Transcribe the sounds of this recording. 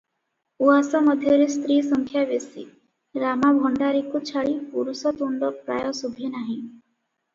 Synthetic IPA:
uasɔmɔd̪ʱjɔɾest̪ɾiːsɔŋkʰjabesḭ | ɾamabʱɔɳɖaɾikut͡ʃʰaɭipuɾusɔt̪uɳɖɔpɾa̰jɔsubʱinaɦĩ

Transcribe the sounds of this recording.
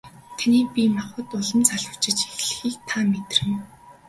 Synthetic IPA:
t̪ʰaniːpʲimaχə̆t̪ʊɮə̆mt͡sʰaɮwə̥̆t͡ɕɪ̆t͡ɕexɮɘ̆xiːk̚t̪ʰamet̪rɘ̆n

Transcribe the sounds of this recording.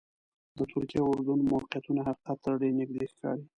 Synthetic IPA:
d̪ət̪ʰʊɾkijaʊɾd̪unmawqijat̪unaɦaqi̥qat̪ːɽenɪɡ̚d̪exkɑ̰ɽi

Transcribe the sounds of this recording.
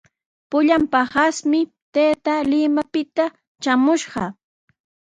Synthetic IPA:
pʊʎampahasmɪ | t̪eːt̪alɪmapɪt̪a | t͡ʃamʊʃɢɑ

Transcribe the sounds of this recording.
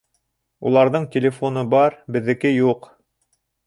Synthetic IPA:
ṵlˠɑɾðɤɴtʲɪlʲefo̞nɤbɑɾbɘ̆ðːɘ̆kɘjuq

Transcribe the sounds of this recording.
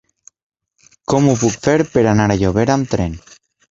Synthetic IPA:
komupukfeɾpeɾanaɾaʎoβeɾamt̪ɾen

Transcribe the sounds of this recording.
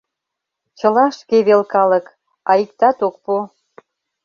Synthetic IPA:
t͡ɕəlɑʃkeβelkɑlək | ɑik̚t̪ɑt̪ok̚po

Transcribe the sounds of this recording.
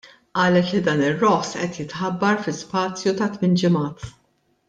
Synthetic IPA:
ʔɐːlɛt̪lid̪ɐːnɪrːɔħsʔɛt̪jɪt̪ħɐbːɐɾfɪspɐːt͡sjut̪ɐt̪mɪnd͡ʒɪmɐːt̪

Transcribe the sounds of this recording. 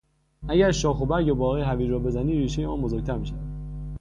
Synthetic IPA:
ʔæɟæɾʃɒːxobæɾɟebɒːɣeɦæviːɾɒːbe̞zæniːɾiːʃejemɒːnbo̞zoɾc̚t̪ʰæɾmiʃææd̪

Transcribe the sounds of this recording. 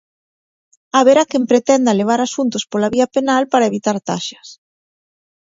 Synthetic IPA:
aβeɾakempɾet̪ɛnd̪ɐleβ̞aɾasunt̪ʊspolaβiɐpenalpaɾaeβit̪aɾt̪aʃɐ̥s

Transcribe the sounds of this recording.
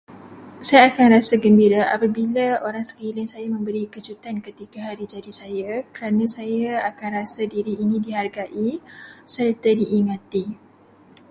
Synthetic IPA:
sajaːkanrasaɡəmbiɾaʔapabilaoɾaŋsə̥kilɪŋsajamə̃mbəɾikəd͡ʒut̪ankət̪ikaɦaɾid͡ʒadisajakəɾanãsajaakanrasadiɾiːnĩdiɦarɡaʔisəɾt̪adiʔːŋãt̪i

